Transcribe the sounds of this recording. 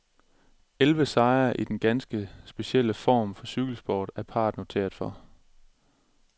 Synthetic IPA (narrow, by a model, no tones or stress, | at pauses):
elʋəsɑ̈ɪɐʔid̥enɡ̥ænsɡ̥əsb̥e̝ɕel̰əfɒ̰ːmfɒ̽syɡ̥l̩sb̥ɒ̰ːd̥æɐpʰɑ̰̈ːd̥no̝t͡sʰe̝̰ːɐð̥ˠfɒ̽